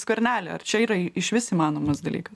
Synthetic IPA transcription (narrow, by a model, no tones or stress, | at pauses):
skɐɾʲnʲæːlʲɛɐ̰rt͡ʃʲɛiːɾɐɪʃʋʲɪsiːmɑːnoːmɐsd̪ɐlʲḭːkɐs